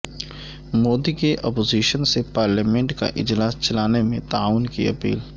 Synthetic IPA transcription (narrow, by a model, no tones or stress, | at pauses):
moːd̪ikeʔɔːpoːziːʃənsepaːɾlaːmẽɳʈka̰ʔɪ̰d͡ʒlaːst͡ʃɐlaːnemẽt̪aaːʋʊnkḭɐpḭːl